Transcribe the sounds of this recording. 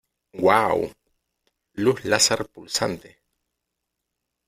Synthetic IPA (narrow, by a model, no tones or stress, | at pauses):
waw̰ | luhlasaɾpulsant̪e